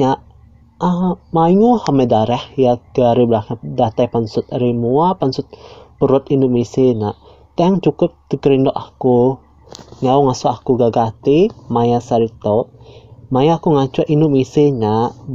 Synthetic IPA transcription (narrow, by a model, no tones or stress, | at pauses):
ɲaʔ | amaiŋuhamɛdaɾɛhjaɡəaɾiblakɲadat̪ajpansʊt̪ɾimuapansʊt̪̚pəɾʊt̪inuʔmisenaʔ | t̪aaŋt͡ʃukʊp̚t̪əkəɾindɔʔaku | ŋauŋasuakuɡaɡat̪imajasaɾit̪oʔmajaːkuŋat͡ʃaʔinʊmiseɲa